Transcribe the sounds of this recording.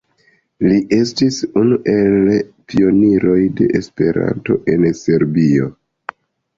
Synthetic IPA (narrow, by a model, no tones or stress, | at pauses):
liʔe̞stisunuʔe̞lpʰio̞niɾo̞jde̞̰ʔespe̞ɾa̰nto̞̰ʔe̞nse̞ɾbio̞